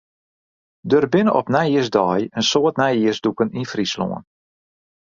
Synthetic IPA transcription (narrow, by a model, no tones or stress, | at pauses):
dørbɪnəʔɔpnɛjiəzdɔjənsoətnɛjiəsdukəninfrislo̰ːən